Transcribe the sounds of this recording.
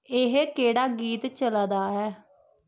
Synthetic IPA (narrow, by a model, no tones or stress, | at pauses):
ɪɦkeːɽaːɡiːt̪t͡ʃəlaːd̪aːɦɛː